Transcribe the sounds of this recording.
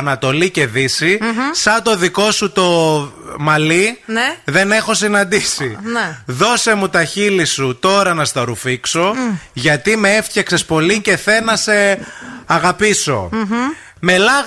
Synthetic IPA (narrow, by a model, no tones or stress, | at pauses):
nɐt̪o̞lice̞ðisisɐt̪o̞ðiko̞sut̪o̞mɐlinðe̞ne̞xo̞sinɐnd̪isiðo̞se̞mut̪ɐçilisut̪o̞ɾɐnɐst̪ɐɾufikso̞ʝɐt̪imeeft̪içeksespo̞lice̞θe̞nɐse̞ɐɣɐpiso̞̰ | me̞lɐ